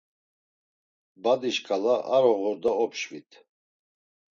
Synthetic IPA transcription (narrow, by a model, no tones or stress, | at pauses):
bad̪iʃkʰʼalaʔaɾɔɣɔɾd̪aɔpʰʃvit̪ʰ